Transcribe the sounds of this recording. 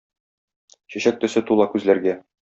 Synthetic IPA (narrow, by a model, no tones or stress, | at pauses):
ɕæ̆ɕæk̚t̪ɵ̆sɘt̪ulˠɑkʉzlæɾɡæ